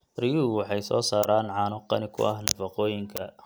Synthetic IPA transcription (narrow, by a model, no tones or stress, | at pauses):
rɪjuːwɑħɑjsɔːsaːɾaːnʕɑːnɔqɑ̰nɪkʰʊ̰ʔɐhnɐfɑqɔːjɪŋkʰɐ